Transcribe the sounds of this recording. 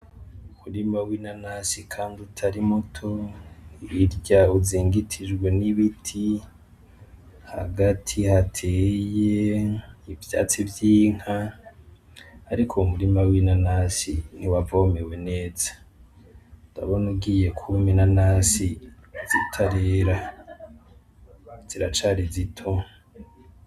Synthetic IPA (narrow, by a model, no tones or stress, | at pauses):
umuɾimawinanasikʰaːndiutʰaɾimutʰo̞ | iɾɟauziːŋɡitʰid͡ʒɡwe̞niβitʰi | ha̰ɡatʰihatʰeːje̞ivja̰ːt͡sivjiːŋ̥a | ɾikʰomuɾimawinanaːsin̥iwavomewe̞ne̞ːza | da̰βonuɡije̞kʰuminanaːsiz̥itʰaɾeɾa | z̥iɾat͡ʃaɾizitʰo